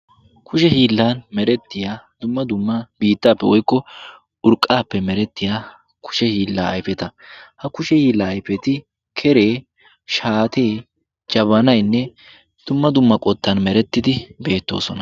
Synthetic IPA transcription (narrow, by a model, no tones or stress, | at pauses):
kʰʊʃɛhiːlːaːnmɛɾɛt̪ːɪjaːd̪ʊmːɐd̪ʊmːɐbiːt̪ːaːpːɛwɔjkːɔ | ʊɾkʼːaːpːɛmɛɾɛt̪ːɪjaː | kʰʊ̥ʃɛhiːlːaːɐ̰jfɛt̪ɐhɐkʊʃɛhiːlːaːjfɛt̪ɪ | kʰɛɾe̞ː | ʃaːt̪e̞ː | d͡ʒɐβɐnɐjnːɛ | d̪̥ʊmːɐd̪ʊmːɐkʼɔt̪ːɐnmɛɾɛt̪ːɪd̪ɪbe̞ːt̪ːo̞̰ːsɔnɐ